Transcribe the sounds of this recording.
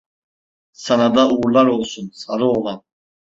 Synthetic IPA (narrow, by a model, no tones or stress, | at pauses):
sanad̪auɣuɾlˠaɾɔlˠsunsaɾɯɔlˠan